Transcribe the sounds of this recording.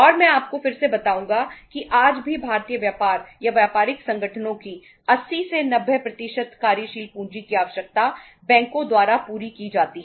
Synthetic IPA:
ɔːɾmɛ̃aːp̚kofɪɾsebɐt̪aːũːŋɡakiʔaːd͡ʒbʱibʱaːɾt̪ijəʋjaːpaːɾjaʋjaːpaːɾɪksɐ̃ŋɡəʈʰənõki | ɐsːisenɐbʱjəpɾɐt̪ɪʃət̪kaːɾjəʃiːlpũːɲd͡ʒikiaːʋəʃjək̚t̪a | bɛ̃ːŋkõd̪waːɾapuːɾikid͡ʒaːt̪iɦɛ

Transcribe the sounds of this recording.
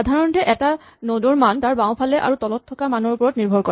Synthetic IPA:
adʱaɹɔntɛʔɛta | nodɔɹmantaɹbãʊ̃pʰalɛʔa̰ɹutɔlɔtʰːɔkamanɔɹupɔɹɔtniɹbʱɔɹkɔɹ

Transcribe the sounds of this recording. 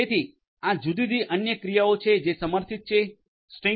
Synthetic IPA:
et̪ʰi | ãd͡ʒud̪id̪iʔənjəkɾijaot͡ʃʰed͡ʒesəməɾt̪ʰit̪̚t͡ʃʰe | sʈĩ

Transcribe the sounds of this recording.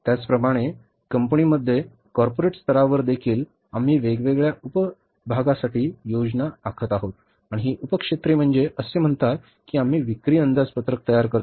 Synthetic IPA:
t̪jat͡spɾəmaɽ̃e | kəmpəniːməd̪ʱːje | kɔɾpoɾeʈst̪əɾaʋəɾd̪ekʰiːl | am̤iːʋeɡʋeɡɭjaupə | bʱaɡasaʈiːjod͡ʑnaːkʰət̪aɦot̪ | aɽ̃iɦiːʔupəkʂet̪ɾiːm̤əɳd͡zeʔəsem̤əɳt̪at̪̚ | kiːam̤iːʋikɾiːənd̪ʱat͡spət̪ɾək̚t̪əjaɾkəɾt̪

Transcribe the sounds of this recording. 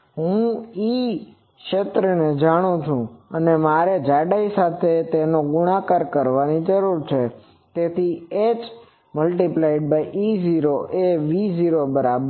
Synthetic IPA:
ɦũi | kʃet̪ɾəned͡ʒaɽ̃ũt͡ʃʰũənemaɾed͡ʒaɖaisat̪ʰet̪enoɡuɽ̃akaɾkəɾʋanid͡ʒəɾuɾt͡ʃʰe | t̪et̪ʰied͡ʒ | məlʈiplaiɖ̚baiʔiziɾoʔeʋiziɾobəɾabə

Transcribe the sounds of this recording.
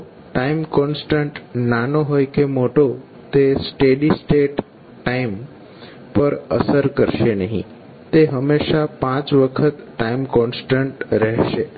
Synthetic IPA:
ʈaimkɔnsʈə̃ɳʈnanoɦojkemoʈo | t̪esʈeɖisʈeʈː | aim | pəɾə̰səɾkəɾʃenəɦḭ̃ | t̪eɦəmeʃapãt͡sʋəkʰət̪ʈaimkɔnsʈəɳʈɾəɦʃe

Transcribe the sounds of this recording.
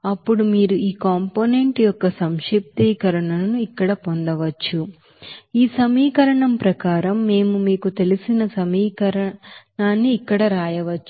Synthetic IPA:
ɐpːuɽumiːɾuiːkaːmponeɳʈijɔkːɐsɐmʂip̚t̪iːkɐɾɐɳɐlɐnuikːɐɽɐpond̪ɐʋɐt͡ʃːu | iːsɐmiːkɐɾɐɳɐmpɾɐkaːɾɐmːe̞ːmumiːkut̪e̞lisinɐsɐmiːkɐɾɐɳaːnːiːkːɐɽɐɾaːjɐʋɐt͡ʃːu

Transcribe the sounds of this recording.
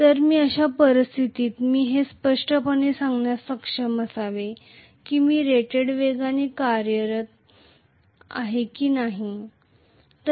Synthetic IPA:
t̪əɾmiːəɕapəɾist̪ʰit̪iːt̪miːɦespəʂʈəpəɳesaŋɡɳjasəkʂəməsaʋe | kiːmiːɾeʈeɽʋeɡanikaɾjəɾət̪̚ | a̰ɦekiːnaɦi | t̪

